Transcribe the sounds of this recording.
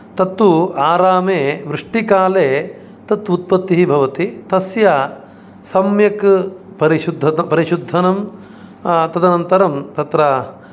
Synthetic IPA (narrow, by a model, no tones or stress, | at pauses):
t̪ɐt̪ːuaːɾaːmeːʋɾɨʂʈikaːleː | t̪ɐt̪ːut̪̚pɐt̪ːiɦibʱɐʋɐt̪it̪ɐsja | sɐmjɐk | pɐɾiʃud̪ʱɐɐpɐɾiʃud̪ʱːɐnɐm | t̪ɐd̪ɐnɐnt̪ɐɾɐmt̪ɐt̪ɾɐ